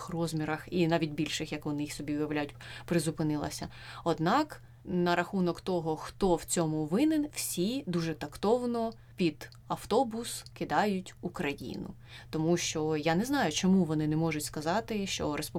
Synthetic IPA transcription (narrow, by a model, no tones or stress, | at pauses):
xrɔzʲmʲiɾɐxinɑʋʲitʲbʲilʲʃɪxjɐkʋɔnɪjixsɔbʲiʊjɐʋlʲæjʊt̚ʲpɾɪzʊpɪnɪlˠɐ̰sʲɐ | ɔd̪nɑk | nɐɾɐxunɔkt̪ɔɦɔxt̪ɔw̥t͡sʲɔmʊʋɪnɪnwsʲid̪uʒɛt̪ɐkt̪ɔwnɔ | pʲid̪̥ | ɐft̪ɔbʊskɪd̪ɑjʊtʲukɾɐjḭnʊ̰ | t̪ɔmuʃt͡ʃɔjanɛznɑjʊt͡ʃɔmuʋɔnɪnɛmɔʒʊtʲskɐzɑt̪ɪʃt͡ʃɔɾʔespu